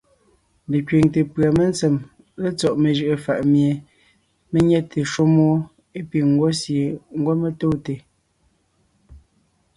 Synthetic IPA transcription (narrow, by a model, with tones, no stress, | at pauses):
le˨kɥe˨ŋte˨pɰa˨me˦nt͡se˨m | le˦t͡sɔ˦˨ʔme˨ʒɯ˦˨ʔə˨fa˨ʔmje˨ | me˦ɲɛ˦tʰe˨ʃo˦mɔ˦ | e˦pi˨ŋ˦ɡwɔ˦sje˨ŋ̩˦ɡwɔ˦me˦˨to˦te˨